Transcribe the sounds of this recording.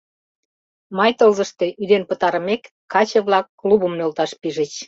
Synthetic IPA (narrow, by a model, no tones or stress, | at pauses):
mɑjt̪əlʒəʃt̪e̽ʔyd̪enpət̪ɑɾəmekː | ɑt͡ɕə̆βlɑkːluβəmnølt̪ɑʃpiʒə̆t͡ɕ